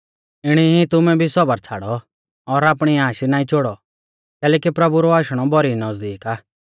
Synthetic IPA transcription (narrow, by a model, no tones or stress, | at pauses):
ɪɽ̃iɦĩt̪ʊmɛ̃bʱisɔbəɾt͡sʰa̰ːɽɔ | ɔɾaːpɽ̃iaːʃinaːĩt͡ʃoɽɔ | kɛːlɛːkipɾɐbuɾɔaːʃɽ̃ɔbʱɔɾinɔzd̪iːkaː